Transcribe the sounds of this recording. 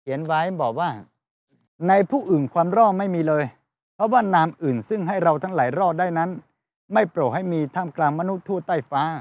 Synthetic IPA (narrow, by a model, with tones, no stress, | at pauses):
kʰi˩˦ənwaː˦˥jbɔː˨˩k̚waː˥˩ | na˧jpʰuː˥˩ʔɯː˨˩nkʰwaː˧mɾɔː˥˩ma˥˩jmiː˧lɤː˧j | pʰɾɔ˦˥waː˥˩naː˧mʔɯː˨˩nsɯ˥˩ŋɦa˥˩jɾa˧wt̪ʰa˦˥ŋlaː˩˦jɾɔː˥˩t̚daː˥˩jna˦˥n | ma˥˩jpɾo˨˩t̚ha˥˩jmiː˧t̪ʰaː˥˩mklaː˧ŋma˧nu˦˥t̪ʰːu˥˩t̪ːaː˥˩jfaː˦˥